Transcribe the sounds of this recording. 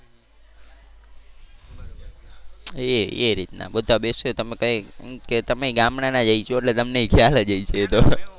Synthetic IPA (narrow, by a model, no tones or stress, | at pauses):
eeɾit̪na̰bəd̪ʱabesot̪əmekəeket̪əmeiɡamnanad͡ʒait͡ʃʰoeʈlet̪əmneikʰjalad͡ʒəit͡ʃʰeːt̪o